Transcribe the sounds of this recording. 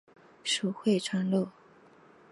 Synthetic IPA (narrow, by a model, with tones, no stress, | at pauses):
ʂu˨˩xwe˥˩ɪʈ͡ʂʰa˥ŋlo˥˩